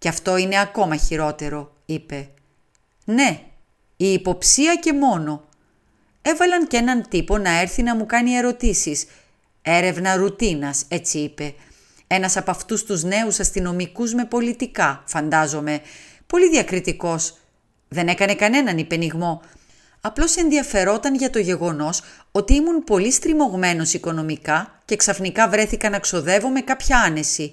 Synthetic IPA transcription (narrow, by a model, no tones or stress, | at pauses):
ceɐft̪o̞ine̞ɐko̞mɐçiɾo̞t̪e̞ɾo̞ | ipe̞ | ne̞ | iːpo̞psiɐce̞mo̞no̞ | e̞vɐlɐnce̞nɐnt̪ipo̞nɐe̞ɾθinɐmukɐnie̞ɾo̞t̪isis | e̞ɾe̞vnɐɾut̪inɐse̞t͡siipe̞ | e̞nɐsɐpɐft̪ust̪uzne̞usɐst̪ino̞mikuzme̞po̞lit̪ikɐfɐnd̪ɐzo̞me̞ | po̞liðiɐkɾit̪iko̞s | ðe̞ne̞kɐne̞kɐne̞nɐnipe̞niɣmo̞ | ɐplo̞se̞nðiɐfe̞ɾo̞t̪ɐnʝɐt̪o̞ʝe̞ɣo̞no̞s | o̞t̪iimunpo̞list̪ɾimo̞ɣme̞no̞siko̞no̞mikɐce̞ksɐfnikɐvɾe̞θikɐnɐkso̞ðe̞vo̞me̞kɐpçɐɐne̞si